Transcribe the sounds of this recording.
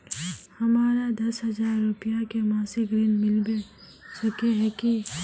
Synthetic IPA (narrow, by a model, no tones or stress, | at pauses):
hɐmaːɾad̪ɐsɦɐzaːɾːʊpijakemaːsɪkɾinmɪlbe | səkeɦɛki